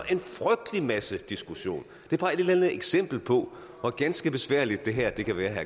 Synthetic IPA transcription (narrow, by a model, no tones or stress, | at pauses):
ʔe̝nfʁœɡ̥̚d̥limæsəd̥isɡ̥uɕo̝̰ːn | d̥e̝b̥ʰɑ̈e̝d̥elænð̩ˠeɡ̥sem̰b̥l̩pʰɒ̽ | ʋɒɡ̥ænsɡ̥əb̥e̝sʋæ̰ɐ̰lid̥̚ːe̝ɦæɐ̰d̥e̝kæʋæːɐɦæ